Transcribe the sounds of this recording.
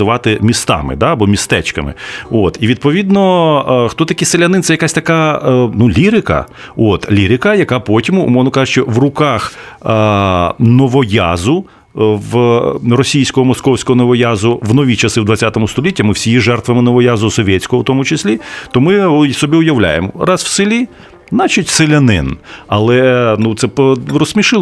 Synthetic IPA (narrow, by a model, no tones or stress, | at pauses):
ɪʋɑt̪ɪmʲist̪ɑ̰mɪ̰d̪aɐbɔmʲist̪ɛt͡ʃkɐmɪ̰ot̪iʋʲid̪̚pɔʋʲid̪nɔxt̪ɔt̪ɐkʲiselʲɐnɪnɛjɐkasʲt̪ɐkanulʲiɾɪkɐ̰ | ot̪lʲiɾɪkɐjɐkɑpɔtʲimʊ̰mɔʋnɔkɑʒeʃt͡ʃɔʋrʊkɑx | nɔʋɔjazʊ | ʋrɔsʲijsʲkɔɦɔmɔskɔwsʲkɔɦɔnɔʋɔjazʊʋnɔʋʲit͡ʃɐsɪwd̪ʋɐtʲt͡sʲat̪ɔmʊst̪ɔlʲitʲːɐmɪwsʲijiʒɛrt̪ʋɐmɪnɔʋɔjazʊsɔʋʲjɛt͡sʲsʲkɔɦɔwt̪ɔmʊt͡ʃɪsʲlʲit̪ɔmɪsɔbʲiʊjɐwlʲa̰jḛmrɑswsɪlʲi | nɑt͡ʃʊtʲselʲɐnɪ̰nɐlˠɛnut̪sɛprɔsʲmʲiʃɪ